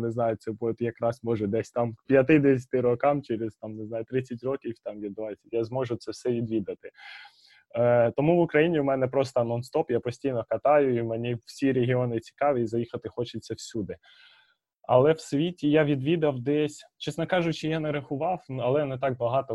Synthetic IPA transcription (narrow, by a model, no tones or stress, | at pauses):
neznɑjʊtsɛbt̪jɐkɾɑsmɔʒɛd̪ɛsʲt̪ɑmpʲjɐt̪ɪd̪ɛsʲɐ̥t̪ɪɾɔkɑmt͡ʃɛɾɪzt̪ɑmnɪznɑjʊt̪ɾɪt͡sʲɐtʲrɔkʲiwt̪ɑmʋʲid̪bʋɑt͡sʲɐtʲjazmɔʒʊt̪sɛwsɛʋʲid̪ʋʲid̪ɐt̪ɪ | t̪ɔmuʋʊkɾɐjinʲiʊmɛnɛpɾɔst̪ɔnɔnst̪ɔpjapɔsʲtʲijnɔkɐt̪ɑjʊimenʲiw̥sʲiɾʲeɦʲɪɔnɪt͡sʲi̥kɑʋʲiːzɐjixɐt̪ɪxɔt͡ʃɪt͡sʲːɐwsʲud̪ɪ | ɐ̰lˠɛwsʋʲitʲijaʋʲid̪ʋʲid̪ɐwd̪ɛsʲt͡ʃɛsnɔkɑʒʊt͡ʃɪjanɛɾɐxʊʋɑwɐlˠɛnet̪ɑk̚bɐɦɑt̪ɔ